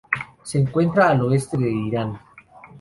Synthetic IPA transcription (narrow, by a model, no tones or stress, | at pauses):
seːŋkwe̞nt̪ɾaːloest̪eðeiɾan